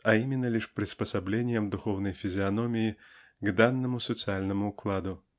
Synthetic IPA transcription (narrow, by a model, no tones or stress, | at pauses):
ɐimʲɪnːəlʲiʂpɾʲɪspəsɐblʲenʲɪjəmd̪ʊxovnəjfʲɪzʲɪɐnomʲɪjɪɡd̪anːəmʊsət̪sɨalʲnəmʊːklˠad̪ʊ